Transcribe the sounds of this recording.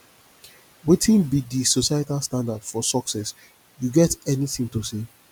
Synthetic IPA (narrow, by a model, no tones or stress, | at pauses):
witʰĩnbidisosajtalstãndadfɔsɔksɛs | juɡɛtɛniθĩŋtose